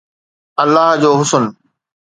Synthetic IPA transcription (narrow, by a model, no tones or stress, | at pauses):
ɐlːaːɦd͡ʑoːɦʊsən